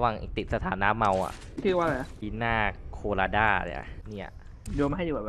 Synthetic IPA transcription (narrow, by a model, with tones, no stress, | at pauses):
wa˨˩ŋʔḭ˨˩t̪i˨˩t̪̚sa˧t̪ʰaː˩˦nːaː˦˥mːa˧wa̰˨˩ʔ | t͡ɕʰɯː˥˩waː˥˩la˧˩na˦˥kiː˧˥naː˥˩kʰoː˧laː˧daː˥˩a̰˧˦a̰˨˩niː˥˩a̰˨˩ | du˧m˥ɦa˥˩juː˨˧˩ɛ˨˩b